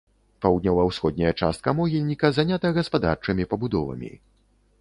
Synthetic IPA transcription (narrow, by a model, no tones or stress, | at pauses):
pawd̪nʲalˠawsxɔd̪̚ʲnʲɐjɐt͡ʂa̰st̪̚kɐmɔɣʲilʲnʲikɐzanʲat̪ɐɣɐspad̪art͡ʂɨmʲipɐbud̪ɔvɐ̰mʲḭ